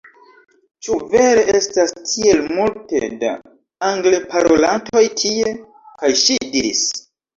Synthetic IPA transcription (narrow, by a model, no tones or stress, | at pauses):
t͡ʃuve̞ɾe̞ʔe̞stastʰie̞lmulte̞̰da̰ | aŋɡlepaɾo̞lantʰo̞jtʰie̞ | kajʃidiɾḭs